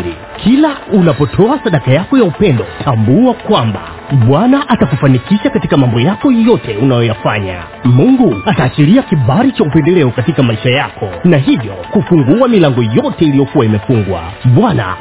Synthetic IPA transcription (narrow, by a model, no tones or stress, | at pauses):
i | kʰilaunapɔtʰɔasaɗakajakɔjaupɛndɔtambuakwamba̰ | ɓwanaʔatakufanikiʃakatikamambɔjakɔjɔtɛunajɔjafaɲa̰ | muŋɡuataːt͡ʃiɾiakiɓaɾit͡ʃaupɛndɛlɛɔkatikamaiʃajakʰɔnaɦivjɔkufuŋɡuamilaŋɡɔjɔtɛilijɔkuwaimɛfuŋɡwa̰ɓwana̰